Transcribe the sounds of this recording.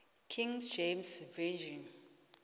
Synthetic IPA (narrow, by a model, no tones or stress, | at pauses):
kʰĩŋd͡ʒemsvɛd͡ʒin